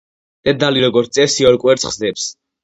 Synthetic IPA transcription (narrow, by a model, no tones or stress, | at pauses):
d̪̥ɛd̪aliɾɔɡɔɾt̪sʼɛsiɔɾkʼwɛɾt̪sχzd̪ɛps